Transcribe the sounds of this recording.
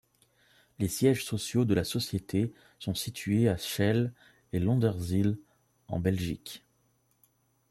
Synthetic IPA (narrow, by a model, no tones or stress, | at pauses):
lesjɛʒsɔsjod̪əlasɔsjet̪ʰe | sɔ̃sit̪ɥeaʃɛl | elɔ̃d̪ɛʁzil | ɑ̰̃bɛlʒḭk